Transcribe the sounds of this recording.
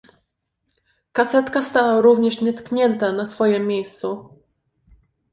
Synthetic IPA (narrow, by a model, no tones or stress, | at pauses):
kasɛt̪kast̪awaɾuvɲɛʂɲɛt̪kɲɛnt̪anasfɔjɛmʲːjejst̪su